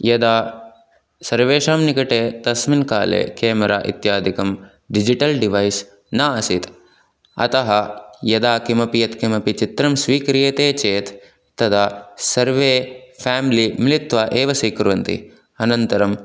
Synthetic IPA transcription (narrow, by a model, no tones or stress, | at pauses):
jɐd̪aː | sɐɾʋeːʃaːmnikɐʈeːt̪ɐsminka̰ːlḛːkeːmɐɾa̰ːʔḭt̪jaːd̪ʱikɐm | ɖid͡ʒiʈɐlɖiʋɐjs | naːɐsit̪ | ɐ̰t̪ɐɦɐjɐd̪aːkimɐpijɐt̪kimɐpit͡ʃit̪ɾɐmsʋiːkɾijeːt̪eːt͡ʃeːt̪ː | ɐd̪asɐɾʋeːpʰaːmilimilit̪ʋaːʔeːʋɐsiːkɾʋɐnt̪ḭ | ɐnɐnt̪ɐɾɐm